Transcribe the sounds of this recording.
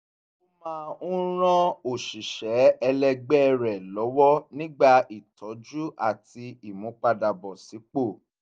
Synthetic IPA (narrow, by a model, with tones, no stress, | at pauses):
o˦mãː˦ũ˦ɾ̃ã˦o˦˨ʃi˨ʃɛ˨˦ɛ˧lɛ˧ɡ͡bɛ˦˧ɾɛ˨lɔ˨˦wɔ˦nĩ˦ɡ͡ba˦˨i˨tʰɔ˨˦d͡ʒu˦ʔa˦˨ti˧˦i˦˨mũ˨˦k͡pa˧da˨bɔ˨si˨˦k͡po˦˨